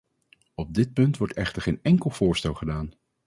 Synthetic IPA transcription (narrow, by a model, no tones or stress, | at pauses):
ɔb̚dɪt̚pɵntʋɔɹtɛχtəɹχejnɛŋkəlˠv̥ʊːɹstɛlˠχədaːn